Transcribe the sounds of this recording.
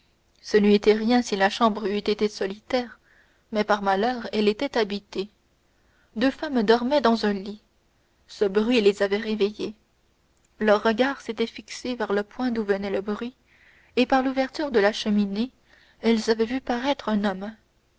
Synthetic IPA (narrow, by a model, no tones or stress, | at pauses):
sənyet̪ɛʁjɛ̃silaʃɑ̃bʁyt̪et̪esɔlit̪ɛːʁ | mɛpaʁmalœːʁɛlet̪ɛt̪abit̪e | d̪øfamd̪ɔʁmɛd̪ɑ̃zœ̃li | səbʁɥilezavɛʁeveje | lœʁːəɡaːʁset̪ɛfiksevɛʁləpwɛ̃d̪uvənɛləbʁɥi | epaʁluvɛʁt̪yʁd̪əlaʃəmine | ɛlzavɛvypaʁɛt̪χɛ̃nɔm